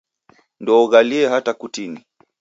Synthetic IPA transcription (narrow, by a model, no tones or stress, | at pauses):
ndɔːɣaliɛɦatakutini